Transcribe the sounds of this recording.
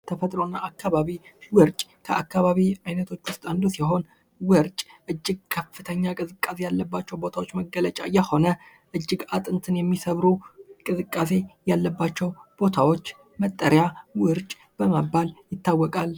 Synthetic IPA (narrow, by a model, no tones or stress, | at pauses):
t̪ʰəfət̪ʼɾonːaakːaβaβiwɨɾt͡ʃʼkʰəʔakːaβaβiajnət̪ʰo̞t͡ʃːwʊst̪ʼand̪usiɦo̞n | wɨɾt͡ʃʼʔɨd͡ʒːɪɡ̚kʰəfɨt̪ʰəɲːakʼɨzɨkʼːase̞jalːəbːat͡ʃːɛwbo̞t̪ʰawo̞t͡ʃːməɡːələt͡ʃʼa̰jɛho̞nə | ʔɨd͡ʒːɪɡat̪ʼɨnt̪ʰɨnjɛmːisəβɾukʼɨzɨkʼːase̞jalːəbːat͡ʃːɛwb̥o̞t̪ʰawo̞t͡ʃː | mət̪ʼːəɾjawɨɾt͡ʃʼ | b̥əmabːaljɪt̪ːawːɔkʼal